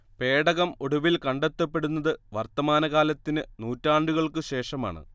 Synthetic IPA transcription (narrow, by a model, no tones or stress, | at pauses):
pe̞ːɽɐɣɐmoɽuʋilkɐɳɖet̪ːɐpːe̞ɽunːɐðɨʋɐrt̪ɐmaːnɐɣaːlɐt̪ːinɨnuːtːaːɳɖuɣɐɭkɨɕe̞ːʂɐma̰ːɳɨ̰